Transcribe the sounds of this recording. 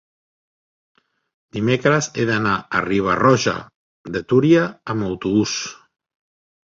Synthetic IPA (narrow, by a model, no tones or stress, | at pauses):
d̪imekɾəzeðanaəriβ̞arɔʒa̰ | d̪et̪uɾiaːmawt̪uβus